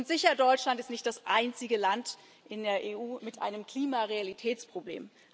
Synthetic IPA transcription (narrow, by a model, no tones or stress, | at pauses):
ʊntz̥ɪçɐdɔʏt͡ʃlantɪstnɪçt̚d̥asʔaɪnt͡sɪɡəlant | ʔɪndeːɐʔeːʔuːmɪtʔa̰ɪnəmkl̥iːmaʁealitʰɛːt͡spʁ̥oblḛːm